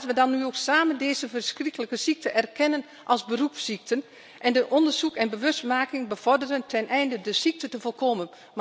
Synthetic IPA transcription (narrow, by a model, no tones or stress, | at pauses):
tʋədɑnːyoːksaːməndeːzəvərskrikələkəsik̚tʰəʔɛrkʰɛnən | ʔɑlˠzbərupsik̚tʰən | ʔɛndəʔɔndərzukɛnbəʋøstmaːkɪŋbəv̥ɔrdərəntʰɛnʔɛjndədəsik̚tətəfolˠkʰoːmən | m